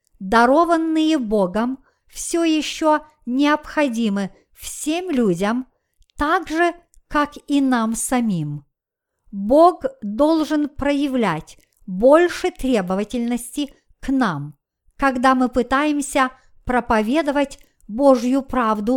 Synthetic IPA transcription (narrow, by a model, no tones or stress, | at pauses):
d̪ɐɾo̞vənːɨjəboɡəm | fsʲojɪɕːo | nʲɪɐpxɐdʲimɨ | fsʲemlʲudʲəm | t̪aɡʐɨkakinamsɐmʲim | boɡd̪o̞lˠʐɨnpɾəjɪvlʲætʲ | bo̞lʲʂɨt̪ɾʲe̞bəvətʲɪlʲnəsʲtʲɪ | knam | kɐɡd̪amɨpɨt̪ajɪmsʲɐ | pɾɐpɐvʲe̞d̪əvətʲ | boʐjʊpɾavd̪ʊ